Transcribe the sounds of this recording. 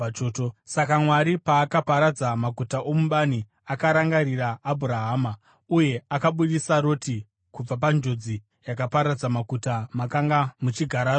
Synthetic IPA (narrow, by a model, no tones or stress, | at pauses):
t͡ʃoːtosakamwaɾipaːkapaɾad͡zamakutaʔomuɓani | akaɾaŋɡaɾiraːbʱuɾaɦaːma | uje̞akaɓuɗisaɾo̞ti | kub͡vap̬and͡ʒo̞d͡zi | jakapaɾad͡zamakutamakaŋɡamut͡ʃiɡʱaɾa